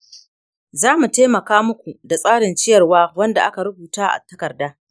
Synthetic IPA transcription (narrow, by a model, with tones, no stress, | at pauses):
zaː˦mu˨ta˦mɐ˨kaː˦mʊ˦kʷu˨da˨sʼaː˦ɽɪ˨nt͡ʃɪ˦jɐ˨rwaː˦wɐ˦nda˨ʔa˦ka˨ɽʊ˦buː˨taː˦ʔa̰˨tɐ˦kɐ˨rdaː˦